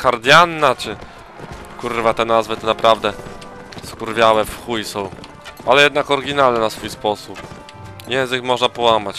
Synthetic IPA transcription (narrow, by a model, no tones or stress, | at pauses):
kaɾd̪ʲjanːat͡ʂɘ | kurvat̪ɛnazvɘt̪ɔnapɾavd̪ɛ | skuɾvʲjawɛfxujsɔ̃w̃ | ʔalɛjɛd̪nakɔɾɡʲinalnɛnasfujspɔsup | jɛ̃w̃zɘkmɔʐnapɔwamat͡ɕ